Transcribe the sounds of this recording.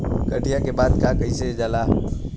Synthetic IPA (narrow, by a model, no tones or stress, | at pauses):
kəʈijakebaːd̪kakəised͡ʒaːlaː